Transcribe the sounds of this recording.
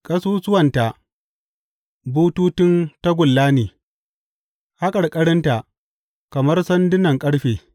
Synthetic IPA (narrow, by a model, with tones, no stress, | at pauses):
kʼɐ˦suː˦sʊ˦wɐ˨nta˨ʔ | buː˦tuː˦tɪ˦nta˦ɡʷʊ˨lːaː˦neː˨ | ha˦kʼɐ˨ɽkʼɐ˦ɽɪ˦nta˨ʔ | kɐ˨mɐ˦rsɐ˦ndɪ˦nɐ˨ŋkʼɐ˦ɽɸeː˨